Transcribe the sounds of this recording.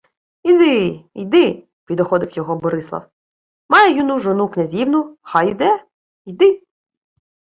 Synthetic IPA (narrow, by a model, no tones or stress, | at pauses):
id̪ɪḭd̪ɪ | pʲid̪ɔxɔd̪ɪkjɔɦɔbɔɾɪslˠɐ̰w | mɑjɛjunuʒɔnuknʲɐzʲiwnʊxɑjid̪ɛ | jd̪ɪ